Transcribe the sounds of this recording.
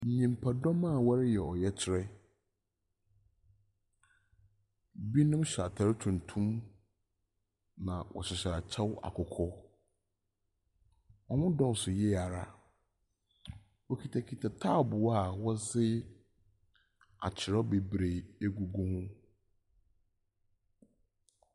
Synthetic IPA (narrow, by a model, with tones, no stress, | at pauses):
n̩˨ɲĩ˨mpʰa˨dɔ̃˦mã˦˨wa˦ɾɪ˦jɛ˨ɔ˨jɛ˦t͡ɕʰɪ˦˨ɾɛ˦ | bi˦nʊ̃˦mɕa˨tʰa˨ɾɪ˦tʰũ˨n˨tʰũ˦m | nã˨wʔɔ̰˨ɕɪ˨ɕa˨a˨t͡ɕʰɛ˦wa̰˨kʰɔ˨kʰɔ˦ | ɔ˨mʊ̃˦dɔ̃˦n˨sʊ˨jɛ˦˨a˨ɾa˦ | wɔ˦kʰi˨tʰa˨kʰi˨tʰa˨tʰaː˦˨bʊ˨wa˦˨wɔ˦zɪ˦ | a̰˨t͡ɕʰɪ˨ɾɔ˦be˨bɾe˨e˦ɡu˨ɡʊ̃˦hʊ̃˦